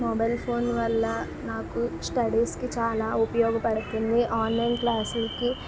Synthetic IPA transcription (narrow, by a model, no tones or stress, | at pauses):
mɔbɐjlpʰoːnʋɐlːɐ | naːkusʈɐɽiːskit͡ʃaːlaːupɐjɔːɡɐpɐɽut̪und̪iʔaːnlɐjnklaːslɐki